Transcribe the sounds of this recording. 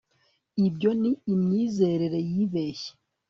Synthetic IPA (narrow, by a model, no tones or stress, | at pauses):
ibjo̞niːmɲiːze̞ɾeɾe̞jiːβe̞ːçe̥